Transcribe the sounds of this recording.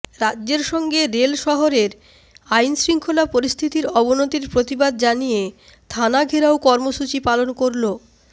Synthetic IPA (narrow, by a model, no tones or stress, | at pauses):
ɾadːd͡ʑeɾʃɔŋɡeɾelʃɔɦoɾeɾ | ajnsɾiŋkʰolapoɾist̪ʰit̪iɾɔbonot̪iɾpɾot̪ibad̪̚d͡ʑanije | t̪ʰanaɡʱeɾaokɔɾmoʃut͡ɕipalonkoɾlo